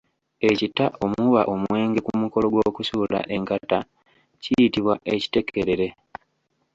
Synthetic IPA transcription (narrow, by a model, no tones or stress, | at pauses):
e̞citaʔo̞muβaʔomuwe̞ːŋɡe̞kumuko̞lo̞ɡwo̞ːkusuːla̰ʔe̞ŋkata | cijitiβwaʔe̞ci̥te̞kʰe̞ɾe̞ɾe̞